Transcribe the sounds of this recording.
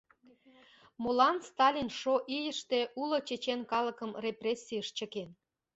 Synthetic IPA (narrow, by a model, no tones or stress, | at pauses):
molɑnst̪ɑlʲinʃoʔijəʃt̪e̽ʔulot͡ɕet͡ɕenkɑləkəmreprʲesʲːiəʃt͡ɕə̆ken